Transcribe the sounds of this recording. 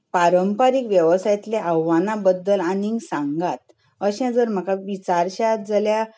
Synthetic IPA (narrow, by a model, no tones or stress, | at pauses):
paɾəmpaɾikʋjəʋsajt̪leəʋːanabəd̪ːəlaniŋɡsãŋɡat̪ | əɕãd͡zəɾm̤akaʋit͡saɾɕad͡zalja